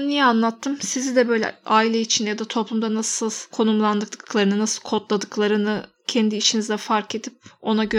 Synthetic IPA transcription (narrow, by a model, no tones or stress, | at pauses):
nijɛanlˠat̪ʰːɯmsizid̪ɛbø̞jlʲɛ̰aːilʲɛit͡ʃʰinjad̪at̪ʰo̞plˠumd̪anasɯlˠkʰo̞numlˠand̪ɯkd̪ɯklˠaɾɯnɯnasɯlˠkʰo̞t̪lˠad̪ɯklˠaɾɯnɯ | cʰɛnd̪iːt͡ʃʰinizd̪ɛfaɾke̞d̪ip̚o̞naɟø